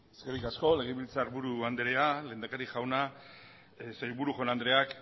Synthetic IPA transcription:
eskeɾikasko̞le̞ɣ̞eβilt͡saɾβuɾuand̪ɾeale̞ːnd̪akaɾiʝawna | sejβuɾuʝo̞nand̪ɾe̞ak

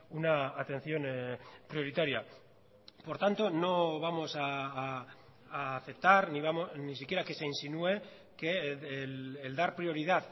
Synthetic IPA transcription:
unaːt̪e̞nθjo̞npɾio̞ɾit̪aɾja | po̞ɾt̪ant̪o̞no̞β̞amo̞sa | θe̞p̚t̪aɾniβamonisikjeɾake̞seinsinue̞ | kelːld̪aɾpɾio̞ɾið̞að

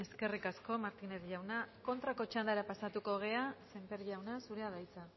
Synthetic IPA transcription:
eske̞rikasko̞maɾt̪ine̞zʝawnako̞nt̪ɾako̞t͡ʃand̪aɾapasat̪uko̞ɣ̞e̞ase̞mpe̞ɾʎawnasuɾe̞aðajt͡sa

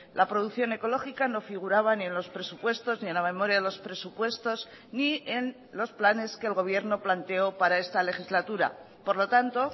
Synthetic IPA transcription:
lʔapɾo̞ðuθjo̞ne̞ko̞lo̞xikano̞fiɣ̞uɾaβ̞anie̞nlo̞spɾe̞supwe̞st̪o̞znie̞nlamẽ̞mo̞ɾjaðelo̞spɾe̞supwe̞st̪o̞z | nien | losplane̞skeːlɣo̞β̞je̞ɾno̞plant̪e̞o̞paɾae̞st̪ale̞xizlat̪uɾa̰ | po̞ɾlo̞t̪ant̪o̞

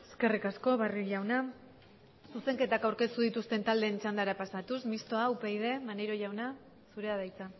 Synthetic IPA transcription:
e̞ske̞rikasko̞βarioʝawna | suse̞ŋke̞t̪akawɾke̞st̪uð̞it̪ust̪e̞nt̪ald̪e̞ːnt͡ʃand̪aɾapasat̪usmist̪o̞aupejð̞e̞maneɾo̞ʝawna | suɾe̞að̞ajt͡sa

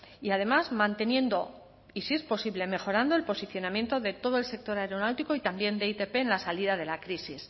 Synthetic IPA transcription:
iað̞e̞mazmãnt̪e̞njẽ̞nd̪o̞ | isiespo̞siβle̞me̞xo̞ɾand̪oe̞lpo̞siθjo̞namje̞nt̪o̞ðe̞t̪o̞ð̞oe̞lse̞k̚t̪o̞ɾaeɾo̞nawt̪iko̞it̪ambje̞nd̪eit̪e̞pe̞ːnlasaliðað̞e̞lakɾisis

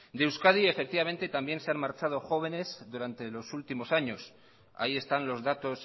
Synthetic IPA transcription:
d̪ewskað̞ie̞fek̚t̪iβamẽ̞nt̪e̞t̪ambje̞nseanmaɾt͡ʃað̞o̞xo̞β̞e̞ne̞zðuɾant̪e̞lo̞sult̪imo̞saɲo̞s | a̰ie̞st̪anlo̞zðat̪o̞s

